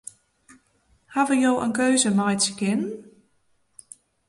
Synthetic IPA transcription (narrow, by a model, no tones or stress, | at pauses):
haʋəjoːʔənkøːzəmɔjtskɪn